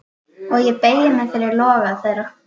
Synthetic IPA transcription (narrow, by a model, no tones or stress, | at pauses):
ɔɣjɛpeːjɪmɛfɪɾɪɾlɔːɣaðθejɾa